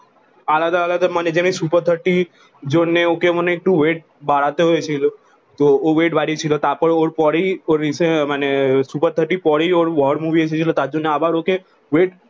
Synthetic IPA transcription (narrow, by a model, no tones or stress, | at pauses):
alad̪əalad̪əmaned͡ʒem̃isupəɾt̪ʰəʈi | d͡ʒonnːeokeməneːk̚ʈũʋeʈ̚ | baɽat̪eɦojt͡ʃʰilo | t̪oːʋeʈʋaɾit͡ʃʰilot̪apəɳoɽpɔɽioɾisemanesupəɾt̪ʰəʈipɔɽioɾʋɔɽmuʋiet͡ʃʰet͡ʃʰilot̪ad͡ʒonːeabʱaɾoke | ʋeʈ